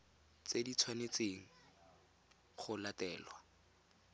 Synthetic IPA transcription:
t͡sedit͡sʰwanet͡seːŋ̩ | χʊlatɛːlwa

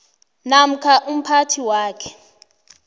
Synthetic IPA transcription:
nam̩kʰaʔum̩pʰatʰiwaːkʰɛ̥

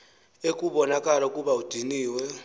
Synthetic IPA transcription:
ekʼuβɔnakʼalakʼuβaud̥ʱiniːwɛ

